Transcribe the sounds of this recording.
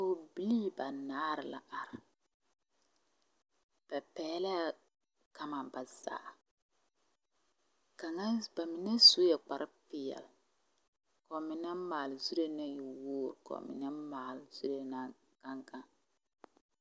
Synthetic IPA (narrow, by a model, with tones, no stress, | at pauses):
o˦bi˦liː˦ba˨naː˦ɾɪ˨la̰˨ʔa˨ɾɪ˨ | pɛ˨pɛː˦la˦ | ka˨ma˨ba˨za̰ː˨ | ka˨ŋa˦ba˨mɪ˨nɛ˦so˦jɛ˨k͡pa˨ɾʔɨ˦pɪ˦jɛ̰˨l | kɔ˨mɪ˨nɛ˦maː˨lzu˦ɾe˦na˦ji˨woː˦˨ɾkɔ̰˨mɪ̰˨nɛ˦maː˨lz̥u˦ɾe˦na˦ | ka˦ŋka˦